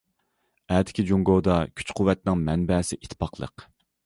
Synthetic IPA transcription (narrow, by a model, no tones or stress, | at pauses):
ɛːd̪ʰɪ̥kʲʰid͡ʒuŋɡod̪ɑkʲʰy̥t͡ʃqʰʊwːɛt̪̚nɪŋmɛnbɛːsɪʔit̪ʰpʰɑqlˠə̰q